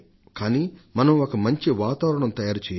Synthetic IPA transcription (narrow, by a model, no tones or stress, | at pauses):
kaːniːmɐnɐmokɐmɐɲt͡ʃiʋaːt̪aːʋɾɐɳɐmt̪ɐjaːɾt͡ʃɛːj